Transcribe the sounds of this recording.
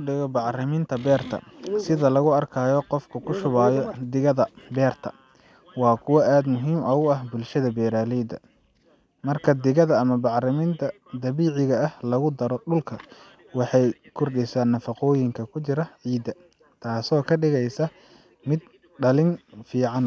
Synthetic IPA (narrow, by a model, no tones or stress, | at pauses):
ʊɖɪɣɔbɑʕrɪmɪnt̪ʰɐbɛːrt̪ʰɐ̰sɪðɐlɐɣʊɐrkʰaːjɔqɔfkʰɐkʰʊʃʊβaːjɔd̪ɪɣɐðɐbɛːrt̪ʰɐ̰ | wɑːkʰʊwɑʔaːd̪mʊɦiːmʔɐʊɐhbʊlʃɐðɐbɛːɾaːlɛd̪ɐ̰ | mɐrkʰɐd̪ɪɣɐðɐːmɐbɑʕrɪmɪnt̪ʰɐ | d̪ɐβiːʕɪɣɐːhlɐɣʊd̪ɐɾɔɖʊlkʰɐ | wɑħɑjkʰʊrɖɪsaːnːɐfɑqɔːjɪŋkʰɐkʰʊt͡ʃɪɾɐʕiːd̪ɐ | t̪ʰaːsɔːkʰɐɖɪɣɛjsɐ | mɪd̪ | ɖɐlɪnfiːʕɑn